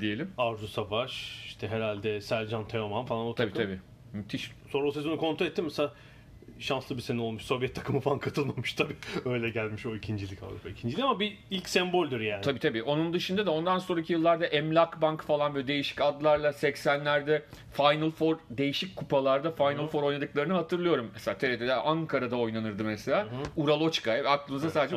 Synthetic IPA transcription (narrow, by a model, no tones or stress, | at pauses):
d̪ije̞lʲimaɾzusavaʃiʃt̪ʰɛɦeɾalʲd̪ɛsælʲd͡ʒant̪ʰeomanfalˠanʰabiːt̪ʰabiː | myt̪ʰiʃso̞nɾabsezbunukʰo̞nʰoɛt̪ːimɛsaa | ʃanslˠɯbisenio̞lˠmuʃso̞vjɛt̪ʰːakʰɯmɯfalˠankʰat̪ʰɯlˠmamuʃt̪ʰabiːøjlʲɛɟælʲmiʃo̞icʰind͡ʒilʲica̰vɾṵpʰaicʰind͡ʒilʲikamabi | ilʲcsɛmbo̞lʲd̪iɾjaːnʰabiːt̪ʰabiːʔo̞nund̪ɯʃɯnd̪ad̪ao̞nd̪anso̞nɾaicʰijɯlˠːaɾd̪aʔɛmlʲakbaŋkfalˠanbød̪e̞jiʃi̥cad̪lˠaɾlˠasɛcsænlʲæɾd̪ɛ | fajnɯlˠfo̞ɾd̪e̞jiʃicʲkʰupalˠaɾd̪afajnɯlfo̞ɾo̞jnad̪ɯklˠaɾɯnɯɦat̪ʰɯɾlˠɯjo̞ɾumːɛselʲaːt̪ʰeɾet̪ʰed̪ɛʔaŋkʰaɾad̪ao̞jnanɯɾd̪ɯmɛselʲaːuɾalˠo̞t͡ʃkaɛak̚lˠɯːmɯzasaːd̪ed͡ʒɛ